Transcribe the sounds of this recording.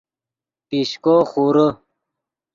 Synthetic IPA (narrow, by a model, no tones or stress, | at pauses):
piɕkoːxuɾə